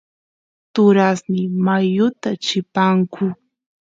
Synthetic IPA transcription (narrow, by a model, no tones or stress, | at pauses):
t̪ʊɾasnɪmajʊt̪at͡ʃɪpaŋkʰʊ